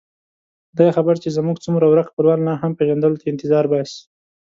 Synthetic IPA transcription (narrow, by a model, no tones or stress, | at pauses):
d̪ɑjaxabaɾt͡ʃezamuɡt͡sumɾawɾaqpəlwɑnnɑɦampeɣand̪əlot̪ʰaɪnt̪ɪzɑɾbɑs